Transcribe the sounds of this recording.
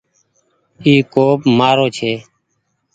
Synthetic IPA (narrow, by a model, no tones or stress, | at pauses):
iːkoːpmaːɾoːt͡ʃʰeː